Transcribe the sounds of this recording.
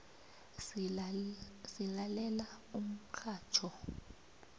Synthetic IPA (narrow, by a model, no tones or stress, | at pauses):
silalɛlaum̩kʰaːt͡ʃʰɔ